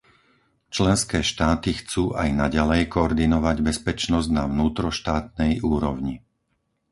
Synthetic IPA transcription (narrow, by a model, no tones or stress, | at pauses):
t͡ʃlɛnskɛːʃt̪aːt̪ixt͡suːʔajnaɟalɛjkɔɔɾd̪inɔʋaɟbɛspɛt͡ʃnɔzɟnaʋnuːt̪ɾɔʃt̪aːt̪̚nɛjuːɾɔʊɲi